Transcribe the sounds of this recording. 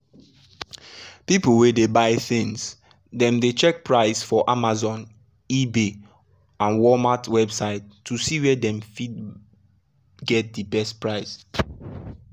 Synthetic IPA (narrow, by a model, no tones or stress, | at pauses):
piplwedebaɪθɪ̃ŋs | dɛ̃mdet͡ʃɛk̚pɹaɪsfɔʔamazɔ̃n | ibe | ãnwɔmatʰwɛbsaɪtʰːusiwɛdɛ̃mfid | ɡɛt̚dibɛstpɹaɪs